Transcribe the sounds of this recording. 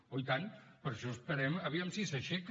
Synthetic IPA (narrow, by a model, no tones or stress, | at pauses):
ojt̪anpəɾʃɔəspəɾɛməβiamsisəʃɛk